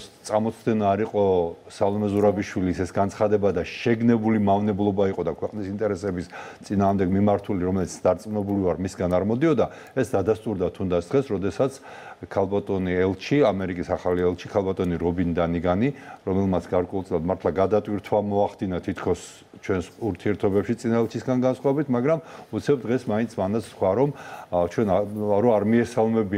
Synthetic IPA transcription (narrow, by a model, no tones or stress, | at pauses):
st̪sʼamɔt̪sʰd̪ɛnaːɾiqʼɔ | salˠɔmɛzuɾabiʃwilisɛsɡant̪sʰχad̪ɛbad̪aʃɛɡnɛbulimavnɛblˠɔbaiqʼɔd̪akʰwɛqʼnisint̪ʼɛɾɛsɛbist̪sʼinaːʁmd̪ɛɡmimaɾt̪ʰuliɾɔmɛlit̪sʰd̪̥aɾt̪sʼmnɛbulivaɾmisɡanaɾmɔd̪iɔd̪a | ɛsd̪ad̪ast̪ʼuɾd̪at̪ʰund̪at̪sʰd̪ʁɛsɾɔd̪ɛsat̪sʰ | kʰalˠbat̪ʼɔniɛlˠt͡ʃʰiamɛɾikʼisaχaliɛlˠt͡ʃʰikʰalˠbat̪ʼɔniɾɔbind̪aniɡaniɾɔmɛlˠmat̪sʰɡaɾkʼwɔɛult̪sʼilˠad̪maɾt̪ʰlˠaɡad̪at̪ʼwiɾt̪ʰwamɔaχd̪inat̪ʰit̪ʰkʰɔs | t͡ʃʰwɛnsuɾt̪ʰiɛɾt̪ʰɔbɛpʃit̪sʼinaɛlˠt͡ʃʰisɡanɡansχwavɛbit̪ʰmaɡɾamut̪sʰɛbd̪ʁɛsmaint̪sʰmand̪at̪sʰsχwaɾɔmt͡ʃʰwɛnɾɔaɾmiɛsalˠmɛbi